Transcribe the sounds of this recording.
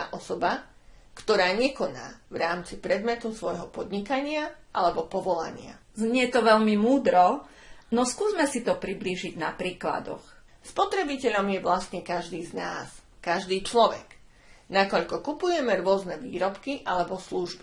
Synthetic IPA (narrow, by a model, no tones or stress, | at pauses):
ʔɔsɔba | kt̪ɔɾaːɲɛkɔna̰ːvɾaːmt͡sipɾɛd̪mɛt̪usʋɔjɦɔpɔd̪ɲikaɲɪaʔalɛbɔpɔʋɔla̰ɲɪa̰zɲɛt̪ɔʋɛʎmimuːd̪ɾɔ | nɔskuːzmɛsit̪ɔpɾibliːʒiɟnapɾiːkla̰d̪ɔ̰x | spɔt̪ɾɛbicɛʎɔmjɛʋlast̪ɲɛkaʒd̪iːznaːskaʒd̪iːt͡ʃlɔʋɛ̰k | nakɔʎkɔkupujɛmɛɾʊɔznɛʋḭːɾɔpkiʔalɛbɔsluʒbi